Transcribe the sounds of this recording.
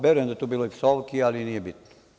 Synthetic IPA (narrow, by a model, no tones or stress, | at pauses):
beɾent̪æt̪ubiloiksɑlkiɑliniːbit̪n